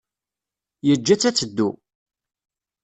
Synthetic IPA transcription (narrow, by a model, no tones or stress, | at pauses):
jəd͡ʒːæt͡sːæt͡sːəd̪ːṵ